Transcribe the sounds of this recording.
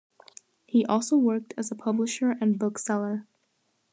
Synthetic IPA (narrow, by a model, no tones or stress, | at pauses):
hiʔɔlˠsoʊwɜ˞k̚tʰɨzəpʰʌbləʃə˞ɨ̃nbʊksɛlˠə˞